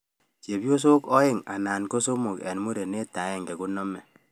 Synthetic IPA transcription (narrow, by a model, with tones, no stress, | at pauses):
t͡ʃe˨bjo˦s̬o˦kɔ˦ɪ˦ŋa̰˨naː˨nko˦so˦mu˨kɛ̰˨n˦mu˦ɾe˨ne˦tːa˨˦ɛ˦ŋɡɛ˨ku˦nɔ˦mɛ˨